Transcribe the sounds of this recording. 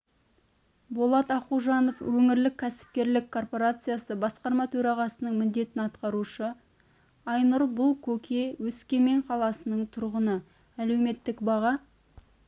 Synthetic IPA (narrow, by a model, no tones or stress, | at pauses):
bolˠɑt̪ɑquʒɑnofwɵŋɪɾlɪkʲʰːæsɪ̥p̚kʲe̞ɾlɪkʰːo̞rpo̞ɾat̪sɨjasəbɑsqɑɾmɑt̪ʰɵɾɑʁɑsənəɴmɪnd̪e̞t̪ɪnɑt̪qɑɾuʃə | ɑjnʊɾbʊlˠkʲʰɵkʲʰe̞wɵskʲe̞me̞ɴqʰɑlˠɑsənəɴt̪ʰʊɾʁənə | æle̞wme̞t̪ːɪkbɑʁɑ